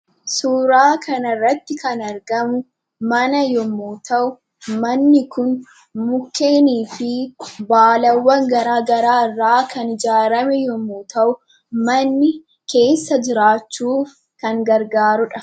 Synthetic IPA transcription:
suːɾaːkʰɐnɐrːɐt̪ːɪkɐnɐɾɡɐmʊ | mɐnɐjɔmuːt̪ɐʔʊ | mɐnːɪkʊn | mʊkːe̞ːniːfɪbaːlɐwːɐŋɡɐɾaːɡɐɾaːɪrːaːkʰɐnɪd͡ʒaːɾɐmɛjɔmuːt̪ʰɐʔʊ | mɐnːɪ | ke̞ːsːɐd͡ʒɪɾaːt͡ʃːuːf | kɐŋɡɐɾɡaːɾʊᶑɐ

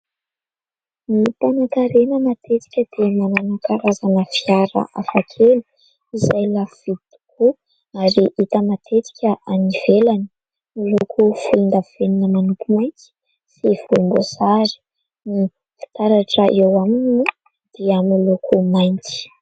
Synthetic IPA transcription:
nit̪anakaɾenəmat̪et͡si̥kʲəd̪̥emananakaɾazanəfiaɾa̰ʔafakʰelu̥ | izajlafv̥id̪t̪u̥kʰu | aɾiʔit̪əmat̪ʰet͡si̥kʲəʔaniv̥elani̥ | milokʰufulund̪avveninəmanukumajnt͡si̥ | siv̥ombosaɾi̥ | ni | fi̥t̪aɾaʈ͡ʂəʔewamininu | d̪̥eamilukʰumajnt͡si̥

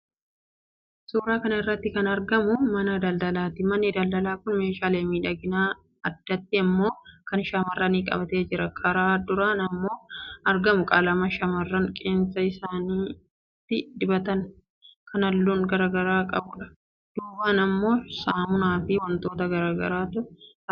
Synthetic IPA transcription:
suːɾaːkɐnɐɪrːɐt̪ːɪkɐnɐɾɡɐmʊmɐnɐd̪ɐld̪ɐlaːt̪ɪmɐnːɪd̪ɐld̪ɐlaːkʊnme̞ːʃaːleːmiːᶑɐɡɪnaː | ɐd̪̥ːɐt̪ːɪɐmːo̞ːkɐnʃɐmɐrːɐniːkʼɐ̰bɐt̪e̞ːd͡ʒɪɾɐkʰɐɾaːd̪ʊɾanɐmːo̞ːɐɾɡɐmʊkʼɐlɐmɐʃɐmɐrːɐŋkʼeːnsɐɪsaːniː | t̪ːɪd̪ɪbɐt̪ɐn | kʰɐnɐlːuːŋɡɐɾaːɡɐɾaːkʼɐbʊᶑɐ̥ | d̪̥uːbaːnɐmːo̞ːsaːmʊnaːfɪwɐnt̪o̞ːt̪ɐɡɐɾaːɡɐ̰ɾaːt̪ʊʊ

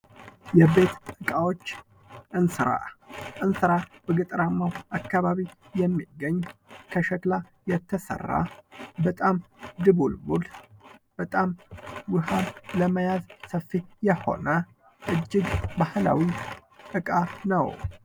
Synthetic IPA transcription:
jɛβe̞t̪ɨkʼawo̞t͡ʃː | ʔɨnsɨɾa̰ʔɨnsɨɾabəɡɨt̪ʼɾamːawakːaβaβi | jɛmːiɡːəɲːkʰəʃɛt̪la | jɛt̪ʰːəsə̰rːa̰bət̪ʼamd̪ɨβulmulb̥ət̪ʼamwɨɦanləməjazsəfːijɛho̞̰nə | ʔɨd͡ʒːɪɡbahɨla̰wiʔɨkʼanə̰w

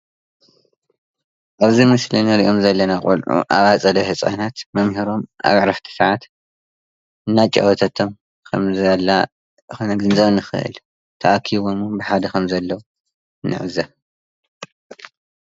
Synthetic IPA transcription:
ʔaβzimɨslinɐɾiʔo̞mzɐlːɐnakʼṵlʕṵʔa̰βat͡sʼɐd̪ɐhɨt͡sʼɐ̰nat̪mɐmhiɾo̞mʔa̰βʕɾɐħt̪ʰɨ̥sʕat̪ | ʔɨnːat͡ʃʼɐ̰wɐt̪ʰɐt̪ʰom | kʰɐmzalːa | nɐɡɨnzɐβnːɨxɨ̰ʔɨ̰l | t̪ʰɐʔakʰiβo̞mubɨħad̪ɐkʰɐmzɐlːɐwu | nːɨ̰ʕɨ̰zɐ

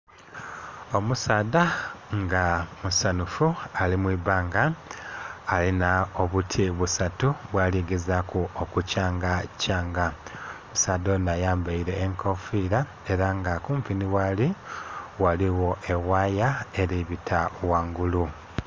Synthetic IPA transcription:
o̞musaːdaŋɡamusanufualimwiːβaːŋɡaː | linaoβutʰiβusatuβwaːliɡezakuokucaːŋɡacaːŋɡamusaːdonajaːmbaiɾe̞ːŋkʰofiɾa | e̞ɾaŋɡakuːmpiniwali | waliwo̞ʔe̞waːjaeɾiβitʰawaːŋɡulu

